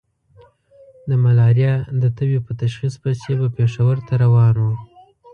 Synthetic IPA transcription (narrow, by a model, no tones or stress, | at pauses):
d̪əmalɑɾjɑd̪ət̪əwepət̪aʃxispajsebapeʂawəɾt̪aɾawɑnwu